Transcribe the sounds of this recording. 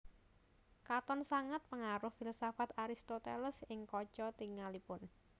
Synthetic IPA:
kat̪ɔnsaŋat̪̚pəŋaɾʊhfilsafat̪aɾist̪ot̪eləsɪŋkɔt͡ʃɔt̪iŋalipʊn

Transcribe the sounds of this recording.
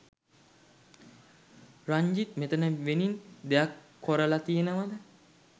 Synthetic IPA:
raɲd͡ʒit̪met̪ənəʋenind̪ejakʰːoɾəlat̪ijenəʋad̪ə

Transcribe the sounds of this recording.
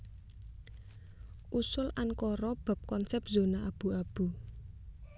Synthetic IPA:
ʔusʊlʔankɔɾɔb̥a̤p̚kɔnsɛp̚zonaʔab̥ṳab̥ṳ

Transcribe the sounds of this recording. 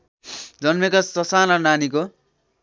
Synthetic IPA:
d͡zʌnmekʌsʌsanʌnaniko

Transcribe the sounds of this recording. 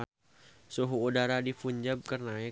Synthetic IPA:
suɦuːdaɾadifuɲd͡ʒab̚kərnaɛ

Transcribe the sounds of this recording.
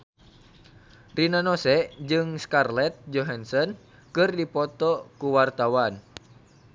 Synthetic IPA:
rinanɔsɛʔd͡ʒɨŋskarlɛt̪̚d͡ʒɔɦansɔn | kɨrdipɔt̪ɔkuwart̪awan

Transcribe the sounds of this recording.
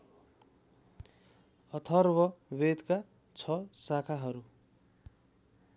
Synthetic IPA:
ʌt̪ʰʌrbʌwed̪ka | t͡sʰʌsakʰaɦʌɾu

